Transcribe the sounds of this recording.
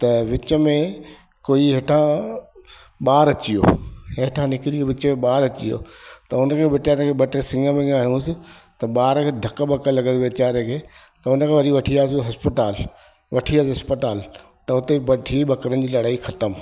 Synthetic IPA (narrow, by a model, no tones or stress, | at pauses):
t̪ɐʋɪt͡ɕəmẽ | koːiɦeːʈʰã | ɓaːɾɐt͡ɕijo̰ːɦeʈʰãnɪkɪɾioʋɪt͡ɕəmẽɓaːɾɐt͡ɕijo̰ːt̪ɐʊnəkʰeːʋɪt͡ɕaːɾẽkʰeːɓɐʈesɪ̃ŋɡəmẽaːɦijũsɪ̆t̪ɐɓaːɾkʰeːd̪ʱɐkəbɐkəlɐɡəʋɪt͡ɕaːɾẽkʰeː | t̪ɐʊnəkʰeːʋɐɗiʋɐʈʰiaːs̬ɦɐspɪʈaːl | ʋɐʈʰiaːsɦɐspəʈaːl | t̪ɐʊt̪ebɐɖʱiɓɐkəɾən̆d͡ʑiːlɐɽaːixɐt̪əm